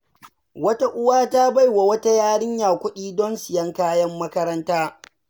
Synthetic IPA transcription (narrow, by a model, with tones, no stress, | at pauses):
wɐ˦ta˦ʔʊ˦waː˦ta˦ba˦˨jwa˨wɐ˦ta˦jaː˦ɽɪ˦ɲjaː˨kʷʊ˦ɗiː˦dɔ˦nsɪ˨jɐ˦ŋkaː˦jɐ˦mːɐ˦kɐ˦ɾɐ˦ntaː˦